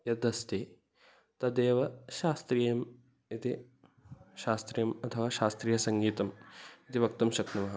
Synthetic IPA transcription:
jɐd̪ɐst̪i | t̪ɐd̪eːʋɐʃaːst̪ɾiːjɐm | it̪i | ʃaːst̪ɾijɐmɐt̪ʰɐʋaːʃaːst̪ɾiːjɐsɐŋɡiːt̪ɐmit̪iʋɐk̚t̪ɐmʃɐkt̪ɐmɐɦɐ

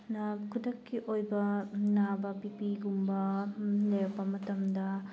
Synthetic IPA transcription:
nɐkʰudɐkːiʔojbɐnabɐpipiɡumbɐlejɐpːɐmɐtɐmdɐ

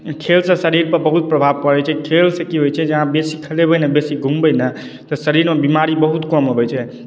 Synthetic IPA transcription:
kʰelsə̃səɾiɾpəɾbəɦut̪̚pɾəbʱab̚pəɾɛt͡ʃʰɛkʰelsə̃kiɦojt͡ʃʰɛd͡ʒəɦãbesikʰəlebəjnəbesiɡʱumbəjnə | t̪ɔsəɾiɾmebimaɾibəɦut̪kɔmɦobɛt͡ʃʰɛ

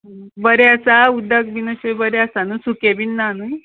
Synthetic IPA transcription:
bəɾeəsaud̪ək̚binəɕebəɾeəsanusukebinːanu

